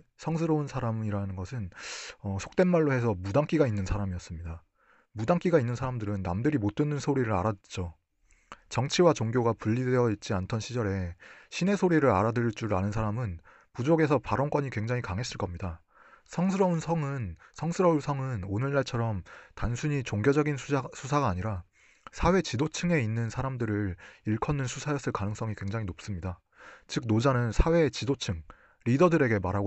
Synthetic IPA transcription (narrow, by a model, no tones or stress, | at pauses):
sʰʌŋsʰɯɾʌunsʰaɾamiɾanɯnɡʌsʰɯnʌsʰo̥k̚t͈e̞nmaɭːohe̞sʰʌmudaŋk͈iɡainːɯnsʰaɾamijʌs͈ɯmɲida | mudaŋk͈iɡainːɯnsʰaɾamdɯɾɯnːa̰mdɯɾimot͈ɯnːɯnsʰoɾiɾɯɾa̰ɾadt͡ɕ͈o | t͡ɕʌŋt͡ɕʰiwat͡ɕoŋɡjoɡapuʎːidjʌit̚t͡ɕ͈iantʰʌnɕʰid͡ʑʌɾe̞ɕʰine̞sʰoɾiɾɯɾa̰ɾadɯɾiɭt͡ɕ͈uɾɾa̰nɯnsʰaɾamɯn | pud͡ʑoɡe̞sʰʌpaɾʌŋk͈wʌɲikwe̞ŋd͡ʑaŋɦikaŋɦe̞s͈ɯɭk͈ʌmɲida | sʰʌŋsʰɯɾʌunsʰʌŋɯnsʰʌŋsʰɯɾʌunsʰʌŋɯnonɯɭːaɭt͡ɕʰʌɾʌmtansʰuɲit͡ɕoŋɡjʌd͡ʑʌɡinsʰusʰaɡaːɲiɾa | sʰawe̞t͡ɕidot͡ɕʰɯŋe̞inːɯnsʰaɾamdɯɾɯɾiɭkʰʌnːɯnsʰusʰajʌs͈ʰɯɭkanɯŋs͈ʌŋikwe̞ŋd͡ʑaŋinop̚s͈ɯmɲida | t͡ɕɯk̚nod͡ʑanɯnsʰawe̞t͡ɕidot͡ɕʰɯŋ | ɾidʌdɯɾe̞ɡe̞maɾɦaɡ